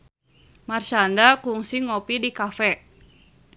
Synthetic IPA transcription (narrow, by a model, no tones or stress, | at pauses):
mart͡ʃandakuŋsiŋopidikafɛ